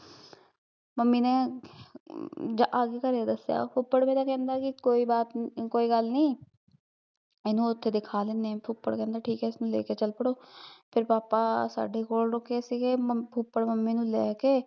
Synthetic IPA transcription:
məmːiːneː | d͡ʒaʔaːɡeːkəɾeed̪əsːja̰ːpʰʊpːəɽmeːɾaːkɛ̃ːnd̪aːkɪkoːiːbaːt̪koːiːɡəlnĩː | enũːʊt̪ʰːeːd̪ɪkʰaːleːneːpʰʊpːəɽkɛ̃ːnd̪aːʈʰiːkɛːɪsnũːlḛːkeːt͡ʃəlpəɽoːpʰɪɾpaːpaːsa̰ːɖeːkoːlɾʊkːesiɡeːpʰʊpːəɽməmːiːnũːlɛːkeː

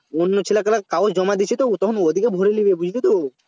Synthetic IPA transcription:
onːot͡ɕʰilakalakaosd͡ʒɔmad̪it͡ɕʰit̪ot̪ɔkʰonod̪ʱikebʱoɾelibebud͡ʑʱilit̪o

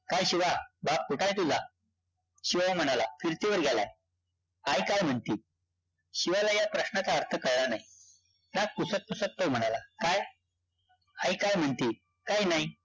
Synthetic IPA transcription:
kajɕiʋabap̚kuʈajt̪ud͡za | ɕiʋam̤əɽ̃alafiɾt̪iʋəɾɡʱala̰ | ajkajm̤əɳt̪iː | ɕiʋalajapɾəɕnat͡saəɾt̪ʰəkəɾɭanai | naɡ̚kusət̪̚kusət̪ːom̤əɽ̃alakaj | aikajm̤əɳt̪iː | kajnaɦi

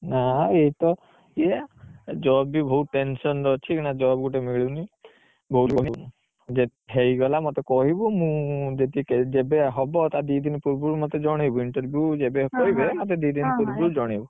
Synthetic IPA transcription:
naeɦit̪ɔ | ied͡ʒɔbibʱɔɦuʈensɔnɾɔt͡ʃʰiknad͡ʒɔbɡuʈemiɭini | bʱɔuɾɔɦi | d͡ʒeɦejɡɔlamɔt̪ekɔɦibumũd͡ʒet̪iked͡ʒebeɦɔbɔt̪ad̪id̪inpuɾbuɾmɔt̪ed͡ʒɔɽ̃ibuiɳʈɔɾbʱjud͡ʒebekɔɦibemɔt̪̬ed̪id̪inpuɾbuɾd͡ʒɔɽ̃ibu

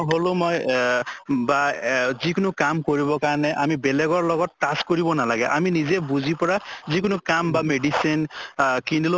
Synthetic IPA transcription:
ɦolʊ̃mɔj | bazikʊnʊkamkoɹibɔkaɹnɛʔamibɛlɛɡɔɹlɔɡɔtːaskoɹibɔnalaɡɛʔaminizɛbuzipɔɹazikʊnʊkambameɖisinkindilo

